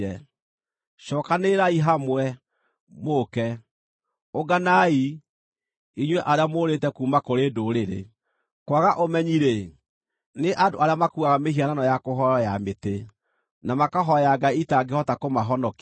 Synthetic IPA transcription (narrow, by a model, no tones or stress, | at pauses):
ɛ | ʃɔkaneɾaiɦamwɛ | mokɛ | oɡanai | iɲwɛʔaɾeamoɾetɛkuːmakoɾeːdoɾeɾḛ | kwaɣaʔomɛɲiɾe | neʔadoʔaɾeamakuaɣamehiananɔjakoɦɔjamete | namakaɦɔjaɡaitaɡehɔtakomaɦɔnɔk